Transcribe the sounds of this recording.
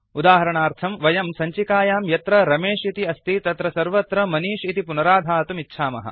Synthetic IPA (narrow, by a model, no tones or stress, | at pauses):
ud̪aːɦɐɾɐɳaːɾt̪ʰɐmʋɐjɐmsɐɲt͡ʃikaːjaːmjɐt̪ɾɐɾɐmeːʂit̪iɐst̪it̪ɐt̪ɾɐsɐɾʋɐt̪ɾɐmɐniːʃit̪ipunɐɾaːd̪ʱaːɐt̪umitːʃʰaːmɐ̰ɦɐ̰